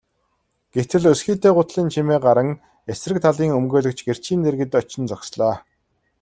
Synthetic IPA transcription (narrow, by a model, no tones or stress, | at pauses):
ɡ̥et̪ɘ̆ɮɵsxiːt̪eːɢʊt̪ɮiːnt͡ɕʰimeːɢaɾə̆ŋ | esrɘ̆k̚t̪ʰaɮiːŋɵmɡoːɮɵ̆k̚t͡ɕɡer̥t͡ɕʰiːnt̪erɣɘ̆t̪ɔt͡ɕɪ̆nt͡sɔksɮɔː